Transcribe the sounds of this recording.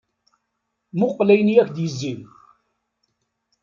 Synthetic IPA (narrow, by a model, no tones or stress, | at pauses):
mʊqːlæjənjækd̪jəzːin